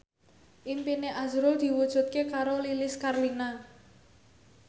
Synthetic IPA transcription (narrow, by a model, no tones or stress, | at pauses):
ʔimpineʔazɾʊld̪̥i̤wud̥ʒ̥ṳt̪̚kekaɾolilɪskarlina